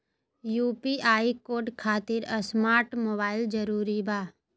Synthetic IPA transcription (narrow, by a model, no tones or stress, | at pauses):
juːpiʔaːikoːɾɖkʰaːt̪ɪɾəsmaːɾʈmoːbaːɪld͡ʒəɾuːɾibaː